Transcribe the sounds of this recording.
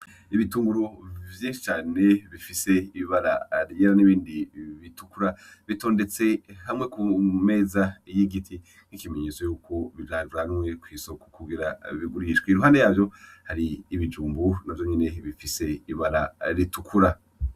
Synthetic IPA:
iβituːŋɡuɾo̞vjeʃt͡ʃaːne̞βifise̞iβaɾa̰ɾɲeɾaniβiːndiβitukuɾaβito̞ːndet͡se̞hamŋe̞kume̞ːzajiɡitʰi | nikimeɲiswejuːkʰo̞βiaːuɾanmŋe̞kwiːso̞ko̥kuɡiɾaβiɡuɾiʃɡweiɾuɦaːndejaːvjo̞haɾiːβid͡ʒuːmbunavjo̞ɲene̞βifise̞iβaɾaɾitukʰuɾa

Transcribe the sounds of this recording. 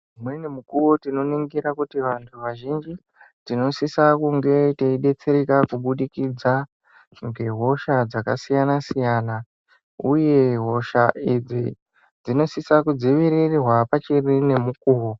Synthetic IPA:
mwenemukuwo̞tino̞niŋɡiɾakutiʋantʰuʋaʒind͡ʒi | tino̞sisakuŋɡe̞teiɗe̞t͡se̞ɾekakuɓuɗikid͡za | ŋɡe̞ɦo̞ʃad͡zakasijanasijana | uje̞ɦo̞ʃaʔid͡zi | d͡zino̞sisakud͡ziʋiɾirirwapat͡ʃirine̞mukuːwo

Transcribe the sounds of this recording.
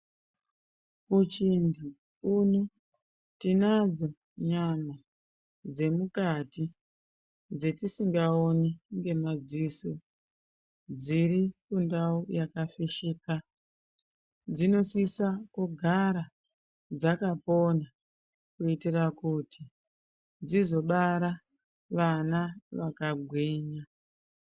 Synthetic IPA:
kut͡ʃindi | unu | tinad͡zo̞ | ɲama | d͡ze̞mukati | d͡ze̞tisiŋɡaoniŋɡe̞mad͡ziso | d͡ziɾikundaujakafiʃika | d͡zino̞sisakuɡʱaɾa | d͡zakapo̞na | kuitirakuti | d͡zizo̞ɓaɾa | ʋanaʋakaɡʱwieːɲa

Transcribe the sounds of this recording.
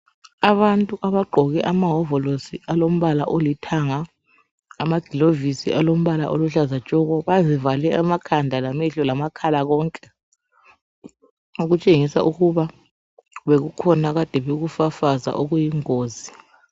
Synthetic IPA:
aβantʼuʔaβaɡ͡ǃʱɔɣɛʔamaɦɔvɔlosialom̩βalaʔolitʰaŋaː | maɡ̥ʱilovisḭʔalom̩βala̰ʔoluɬazat͡ʃʼɔɣɔβazivalɛamakʰandʱalamiɬɔlamakʰalaɣɔːŋkʼɛ | uɣut͡ʃʼeŋisa̰ʔuɣuβa | βeɣukʰɔnaɣad̥ʱɛβeɣufafaza̰ʔoɣujiŋoːzi

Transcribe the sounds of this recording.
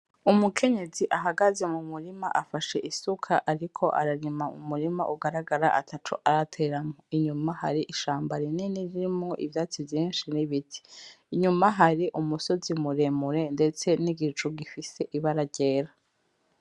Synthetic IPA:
umukʰe̞ɲe̞ziʔaɦaɡaze̞mumuɾimaʔafaʃe̞ʔisukʰaʔaɾikʰo̞ʔa̰ɾaɾimaṵmuɾima̰ʔuɡaɾaɡaɾaʔa̰tʰatʰuʔaɾatʰe̞ːɾamŋoiɲumaha̰ɾiʔiʃaːmbaɾineniɾiɾimŋo̞ʔḭvjaːt͡sivjiːnʃiniβitʰi̥ | iɲumaɦaɾiʔumuso̞zimuɾemuɾe̞nde̞t͡se̞niɡit͡ʃuɡifise̞ʔiβaɾaɟe̞ːɾa

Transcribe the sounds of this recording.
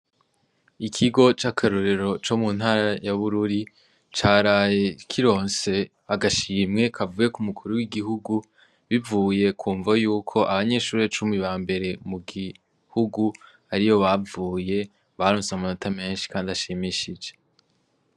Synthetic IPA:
ikʰiɡo̞t͡ʃakʰaɾoɾe̞ɾo̞t͡ʃo̞muːn̥haːɾajaβuɾuɾi | t͡ʃaːɾaːje̞kʰiɾo̞ːnse̞ | aɡaʃiːmŋe̞kʰavuːje̞kumukʰuɾuwiɡiɦuɡu | βivuːje̞kʰuːɱvajuːkʰo̞ʔaβaɲe̞ːʃuːɾe̞t͡ʃumiβaːmbe̞ɾe̞muɡi | huɡu | aɾijo̞βavuːje̞ | βaɾoːnsamanotʰame̞ːnʃi̥kaːndiaʃimiʃid͡ʒe̞

